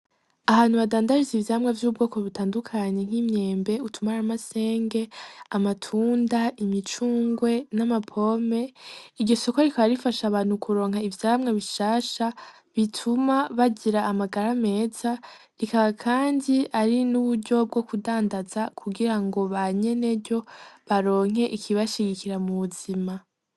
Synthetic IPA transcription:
ahaːn̥huβadaːndaʒizivjamŋevjuːbɡo̞ːko̞βutaːndukʰaɲe̞ŋ̥himɲe̞ːmbe̞utʰumaɾamase̞ːŋɡe̞amatʰuːndaʔimit͡ʃuːŋɡwe̞namapʰo̞me̞iɾɟo̞so̞koɾikaaɾifaʃaβaːn̥hukʰuɾo̞ːŋhaivjaːmŋeβiʃaːʃa | βitʰumaβaɟiɾaːmaɡaɾame̞ːz̥a | ɾikaβakʰaːndiaɾinuβuɾɟo̞b̚ɡo̞kudaːndazakʰuɡiɾaŋɡo̞βaɲe̞ne̞ɟo̞βaɾo̞ːŋ̥e̞ʔikʰiβaʃiɡikiɾamuβuzima

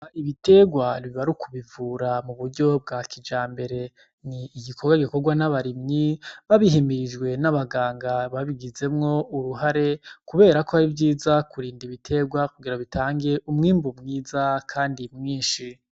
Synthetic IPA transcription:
aiβite̞ɡwaɾiβaɾukʰuβivuːɾamuβuɾɟo̞b̚ɡakʰid͡ʒaːmbe̞ɾe̞ | niːɡikʰoɡwaɡiko̞ɡwanaβaɾimɲiβaβiɦimiɾid͡ʒɡwe̞naβaɡaːŋɡaβaβiɡize̞mŋo̞uɾuɦaɾe̞kuβe̞ːɾako̞aɾivɟiːzakuɾiːndiβitʰe̞ːɡwakuɡiɾaβitʰaːŋɡe̞ʔumŋiːmbumŋiːzakʰaːndimŋiːnʃi

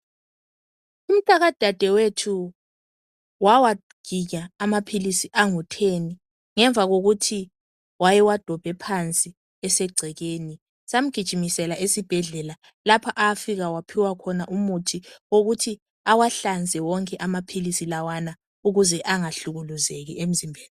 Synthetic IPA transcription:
um̩tʼaɣad̥ʱad̥ʱɛwetʰu | wawa | ɡ̥ʱiɲaːmapʰilisiʔaŋutʰeni | ŋɛɱb̪vʱaɣoɣutʰi | wajɛwad̥ʱɔb̥ʱɛpʰant͡sʼi | ɛsɛɡ͡ǀʱɛɣeːni | sam̩ɡ̥ʱid̥ʒ̥ʱimisɛlaʔesib̥ʱɛɮɛla | lapʰaʔafiɣawapʰiwakʰɔnaʔumutʰioɣutʰi | awaɬand͡zʱɛwɔŋkʼɛʔamapʰilisilawana | uɣuzɛʔaŋaɬuɣuluzeɣḭem̩zimbʱeːli

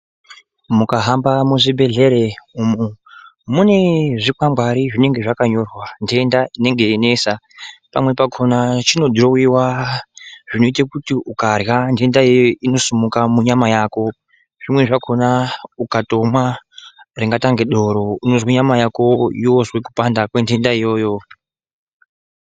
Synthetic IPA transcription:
mukaɦambamuʐibʱe̞ɮe̞ɾe̞umu | mune̞ʐikwamɡʱwaɾiʐine̞ŋɡe̞ʐakaɲo̞rwandiendaine̞ŋɡe̞ne̞sa | pa̰mwe̞pakʰonat͡ʃino̞drowiwa | ʐ̥inoitakutiukarɣande̞ndaoino̞sumukamuɲamajaːko̞ | ʐ̥imwe̞ʐakʰo̞naukato̞mwa | riŋɡataŋɡeɗo̞ɾo̞unozweɲamajako̞iwozwekupandakwe̞nde̞ndaijo̞ːjo̞

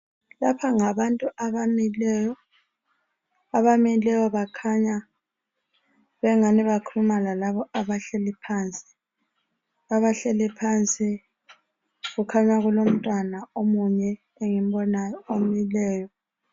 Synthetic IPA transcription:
lapʰaŋaβantʼuʔaβamilɛjɔ | aβamilɛjɔβakʰaɲa | βɛŋaniβakʰuumalalaβɔʔaβaɬɛlɛpʰaːnt͡sʼi̥ | aβaɬɛlɛpʰant͡sʼi | ɣukʰaɲaɣulom̩tʼwanaomuɲɛ | eŋim̩bɔnajɔom̩jilɛːjɔ

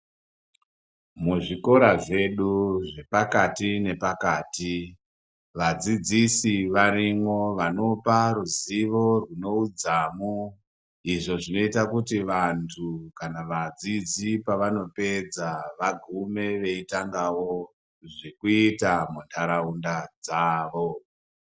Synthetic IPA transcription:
muʐiko̞ɾaʐe̞ɗuʐe̞pakatine̞pakaːti | ʋad͡zid͡zisiʋaɾimwo̞ʋano̞paruziʋo̞rwuno̞ud͡zamu | iʐo̞ʐino̞itakutiʋantʰukanaʋad͡zid͡zipaʋano̞pe̞d͡zaʋaɡʱume̞ʋe̞itaŋɡawo | ʐikuitamuntʰaɾaundad͡zaːʋo̞

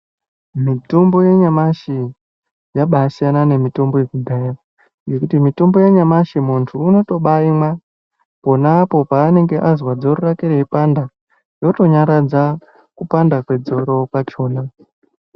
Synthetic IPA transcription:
mitombo̞je̞ɲamaʃi | jaɓaːsijanane̞mitombo̞je̞kudʱa | je̞kutimitombo̞jeɲamaʃimuntʰuːno̞to̞ɓaimwa | po̞naːpo̞paːne̞ŋɡe̞ʔazwad͡zo̞rorakeɾeipanda | jo̞to̞ɲaɾad͡za | kupandakwe̞d͡zo̞ɾo̞kwat͡ʃo̞ːna

